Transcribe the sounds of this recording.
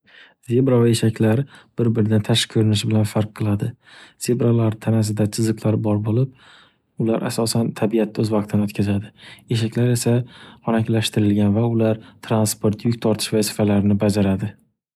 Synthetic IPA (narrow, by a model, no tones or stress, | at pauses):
z̥e̞bɾavaeʃakʲlaɾb̥ɪɾbɪɾɪd̪ant̪ʰaʃkʲʰɵɾɪnɪʃɪbɪlanfaɾqʰːɨlˠad̪ɪz̥e̞bɾalaɾt̪ʰanas̬ɪd̪at͡ʃʰɪzɨqlˠaɾbɒɾbolɪp̚ | ʊlaɾʔa̰sɒsant̪ʰabijat̪̚ːaɵzvɑq̚t̪ʰɪnɪɵt̪kʰʲazad̪ɪe̞ʃakʲlaɾe̞saɒnakʲlaʃt̪ɪɾɪlɡʲanvaʊlaɾt̪ʰɾanspoɾt̪jʊkʲt̪ʰɒɾt̪ʰɪ̥ʃvasɪ̥falaɾnɪbad͡ʒaɾad̪ɪ